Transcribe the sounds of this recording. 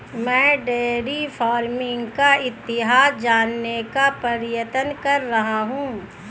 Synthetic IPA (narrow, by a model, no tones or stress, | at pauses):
mɛ̃ːɖeːɾifʰaːɾmɪ̃ŋɡkaɪt̪ːɪɦaːsd͡ʒaːnːekapɐɾjət̪ənkɐɾːɐɦaɦũː